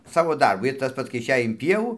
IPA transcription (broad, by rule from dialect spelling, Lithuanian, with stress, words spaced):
ˈsɑːʋoː ˈdɐrbʊ ɪr ˈtɐs pɐts kɐɪ ɪʃʲˈɛj ɪn pʲiɛˈʋuː